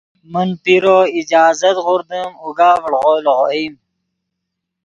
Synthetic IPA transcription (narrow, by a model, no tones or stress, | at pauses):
mənpiɾoːid͡ʑaːzɐt̪ʁʊɾd̪əmuɡaːvəɽʁolʁoim